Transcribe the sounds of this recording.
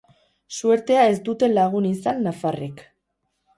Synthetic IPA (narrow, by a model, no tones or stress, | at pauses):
sue̞ɾt̪e̞ae̞zd̪ut̪e̞laɣ̞unisanːafarek